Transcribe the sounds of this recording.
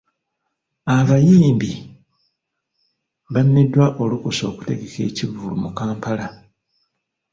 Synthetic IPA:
aβajiːmbi | βanːidwaʔo̞lukoso̞ːku̥te̞ɡe̞ke̞̰ːcivulumukaːmpala

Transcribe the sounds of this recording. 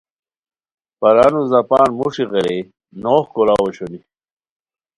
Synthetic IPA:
pɐɾanuzɐpaːnmuʂiʁɐɾe | noːhkolawoɕoni

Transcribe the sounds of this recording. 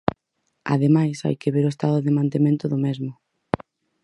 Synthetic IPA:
a̰ðemajsa̰jkeβeɾʊest̪aðʊðɪmãnt̪emẽnt̪ʊðʊmɛzmʊ

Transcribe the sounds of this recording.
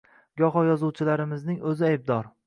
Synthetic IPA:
ɡɒɦɒjɒzuwt͡ʃʰɪlaɾɪmɪznɪŋɵzɪajb̚d̪ɒɾ

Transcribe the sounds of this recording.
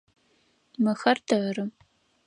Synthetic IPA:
mɨxɐrtʰɨrɨ

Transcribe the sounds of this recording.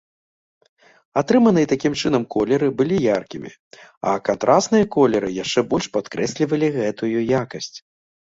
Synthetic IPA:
at̪ɾɨmɐnɨjɐt̪akʲimt͡ʂɨn̪ɐmkɔlʲɛɾɨbɨlʲijarkʲimʲḭ | ɐ̰kant̪ɾʔasnɨjɐkɔlʲɛɾɨjaʂt͡ʂɛbɔlʲʂpat̪kɾɛsʲlʲivɐlʲiɣɛt̪ujujakɐsʲt͡sʲ

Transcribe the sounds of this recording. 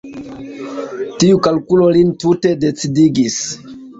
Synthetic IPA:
tiukalkulo̞lintute̞de̞t͡sidiɡis

